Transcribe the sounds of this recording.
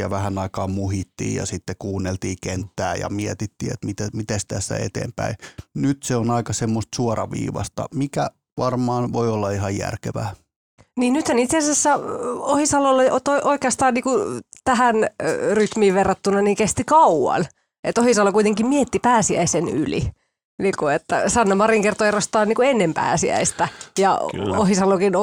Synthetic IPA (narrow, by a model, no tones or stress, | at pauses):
jɑʋæhænɑikɑːmmuhit̪ːḭːjɑ̰sit̪ːekuːnːelt̪iːkent̪ːæːjɑ̰miɛt̪it̪ːḭːḛt̪mit̪æmit̪est̪æsːæ̰ḛt̪ḛːmpæinyt̪seonɑikɑsemːost̪suɔrɑ̰ʋḭːʋɑ̰st̪ɑ̰mikæ | ʋɑrmɑːnʋoiolːɑiɦɑjjæ̰rkeʋæː | niːnnyt̪hænit̪sesæsːæohisɑlolːeot̪oiʔoikeɑst̪ɑːnniːkut̪æɦænryt̪miːʋʋerːɑt̪ːunːɑniːŋkest̪ikɑuwɑ̰n | et̪ohisɑlːokuit̪eŋkimmiet̪ːipæːsiæ̰iseny̰lḭ | niːkuet̪ːæ̰sɑnːomɑriŋkert̪oerost̪ɑːniːkuenːempæ̰ːsiæ̰ist̪æjɑohisɑlokin